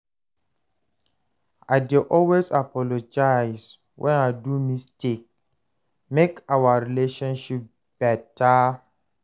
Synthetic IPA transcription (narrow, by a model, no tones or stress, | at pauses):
aɪdeʔɔlwesapɔlod͡ʒajs | wʔɛ̰̃naɪdumistʰek̚ | mekawaɹileʃɔ̃nʃip̚ | b̥ɛta